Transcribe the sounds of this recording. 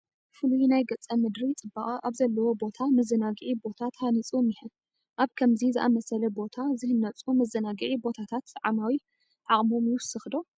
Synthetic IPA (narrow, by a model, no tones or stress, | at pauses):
fɨlujinajɡɐt͡sʼɐmɨd̪ɾit͡sʼɨbːaχʼiʔaβzɐlːɐwo̞bo̞t̪ʰamɐzɐnaɡʕibo̞t̪ʰat̪hanit͡sʼomjɪhɨn | ʔaβkʰɐmzizɨʔa̰mɐsɐlɐbo̞t̪ʰazɨhɨnːɐt͡sʼumɐzɐnaɡɨʕibo̞t̪ʰat̪ʰat̪sʕamawi | ʔʕaχʼmo̞mjuwʊsɨxd̪o̞